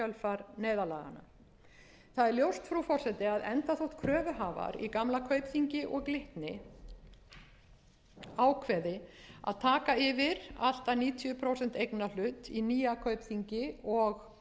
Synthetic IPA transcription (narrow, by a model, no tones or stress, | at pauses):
œlfaɾnɛːjðalaːɣa̰na̰ | θaðɛɾljowst̪fɾufɔr̥sɛt̪ɪaðɛnt̪aθowht̪kʰɾœːvʏɦaːva̰ɾḭkamlakʰœɥpθiɲcɪʔɔɣlɪht̪nɪ | aːwkʰvɛːðɪa̰ðt̪ʰaːkaɪvɪɾa̰l̥t̪aniːt̪ʰjʏpʰɾowsɛn̥t̪ejknal̥ʏt̪iniːjakʰœɥpθiɲcɪɔɣ